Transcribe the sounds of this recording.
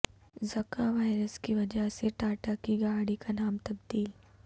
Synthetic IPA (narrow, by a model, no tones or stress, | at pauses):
zɐkaʋaːɪɾəskiʋɐd͡ʒəɦseʈaːʈakiɡaːɽikanaːmt̪ɐb̚d̪iːl